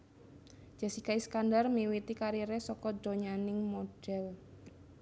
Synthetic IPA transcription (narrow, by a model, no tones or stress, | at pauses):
d͡ʒ̥a̤sikaiskandarmiwit̪ikaɾiɾesɔkɔdo̤ɲanɪŋmoɖ̥ɛl